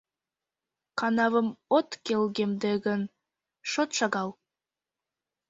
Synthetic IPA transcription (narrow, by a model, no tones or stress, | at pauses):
kɑnɑvə̆mot̪kelɡemd̪eɡə̆n | ʃot̪ʃɑɣɑlˠ